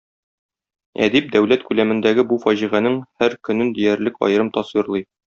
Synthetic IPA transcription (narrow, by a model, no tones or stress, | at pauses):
æ̰d̪ip̚d̪æwl̪æt̪kʉlæmɘ̆nd̪æɡɘbufɒʑiʁænɘŋhæɾkɵ̆nɘnd̪ijæɾlɘkɒ̰jɤ̆ɾɤmt̪ɒswiɾlˠɤj